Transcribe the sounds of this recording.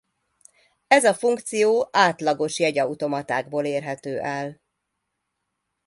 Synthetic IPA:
ɛzɒfuŋkt̪sijoːʔaːt̪lɒɡo̞ʃjɛɟɒut̪o̞mɒt̪aːɡboːleːrɦɛt̪øːʔɛl

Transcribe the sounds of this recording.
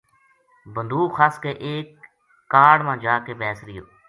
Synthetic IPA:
bənd̪uːkxʰaːskeːʔeːkː | aːɽmãːd͡ʒaːkeːbɛːsɾɪjoː

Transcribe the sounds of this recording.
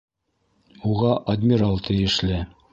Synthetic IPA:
uʁɑʔɐd̪ʲmʲiɾalˠt̪ʰɘ̆jɘ̆ʃlɘ

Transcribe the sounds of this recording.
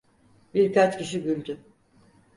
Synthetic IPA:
biɾkat͡ʃciʃ̬iɟylʲd̪y

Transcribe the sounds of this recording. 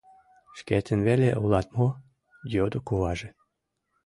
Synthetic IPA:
ʃket̪ənβeleʔolɑt̪̚mo | jʲod̪okuβɑʒĕ

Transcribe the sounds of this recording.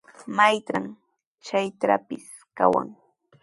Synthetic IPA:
majt̪aŋ | t͡ʃajt̪ɾapɪs | kawa̰ŋ

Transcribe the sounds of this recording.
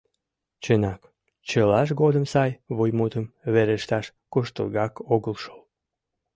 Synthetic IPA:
t͡ɕenɑk | t͡ɕəlɑʃɣod̪əmsɑjβujmut̪əmβeɾeʃt̪ɑʃ | kuʃt̪ə̰lɣɑkʰoɣəlʃə̥l

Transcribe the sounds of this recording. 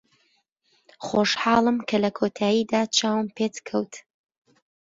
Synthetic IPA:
χoʃħɑːlˠɨmkʰɐlɐkʰot̪ʰaːjid̪aːt͡ʃʰaːwɨmpʰet̪kʰɐwt̪

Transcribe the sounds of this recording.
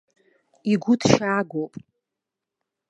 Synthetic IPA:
iɡʷʊdʰʃaːɡʷopʼ

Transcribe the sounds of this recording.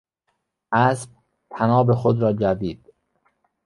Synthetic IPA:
ʔæsb̚ | t̪ʰænɒːbexod̪ɾɒːd͡ʒæviːd̪̥

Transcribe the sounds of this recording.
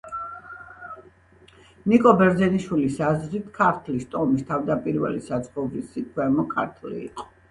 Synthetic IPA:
nikʼɔbɛɾd̪zɛniʃwilisazɾit̪ʰkʰaɾt̪ʰlist̪ʼɔmist̪ʰavd̪apʼiɾvɛ̰lisat̪sʼqʼɔvɾisik̪ʰwɛmɔkʰa̰ɾt̪ʰlḭːqʼɔ̥

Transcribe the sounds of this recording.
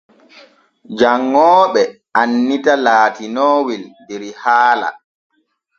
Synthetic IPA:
d͡ʒaŋːɔːɓɛ | anːitalaːtinoːwildɛɾihaːla̰

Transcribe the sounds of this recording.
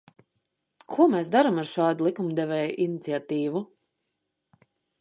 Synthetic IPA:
kʰuɔmɛːsd̪aɾamaɾsuaːd̪ulˠikumd̪ɛvʲɛːjʔinit̪siat̪iːvu

